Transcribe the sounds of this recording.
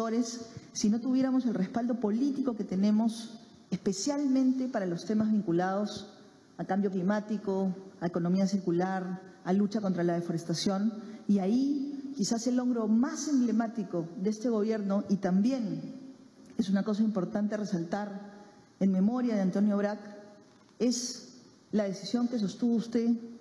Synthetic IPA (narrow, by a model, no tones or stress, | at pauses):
t̪o̞ɾe̞sːino̞t̪uβje̞ɾamo̞se̞lre̞spald̪o̞po̞lit̪iko̞ke̞t̪e̞nẽ̞mo̞s | espe̞sjalmẽnt̪e̞paɾalo̞st̪e̞mazβiŋkulað̞o̞s | akambjo̞klimat̪iko̞aeko̞nõ̞miasiɾkulaɾalut͡ʃako̞nt̪ɾalað̞efo̞ɾest̪asjo̞niaikisase̞lo̞ŋɡɾo̞mase̞mble̞mat̪iko̞ðee̞st̪e̞ɣ̞o̞βje̞ɾno̞ʔit̪ambje̞n | e̞sunako̞s̬aimpo̞ɾt̪ant̪e̞re̞salt̪aɾ | enme̞mo̞ɾjað̞eant̪o̞njo̞βɾak | e̞s | lað̞e̞sisjo̞ŋke̞s̬ost̪uðust̪e̞